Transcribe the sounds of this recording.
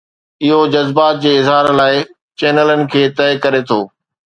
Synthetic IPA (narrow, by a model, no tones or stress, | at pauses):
ɪɦod͡ʑɐzbaːt̪̚d͡ʑeːɪzɦaːɾlaːɪ | t͡ɕɛːnələnɪ̆kʰeːt̪ɛːkɐɾet̪ʰoː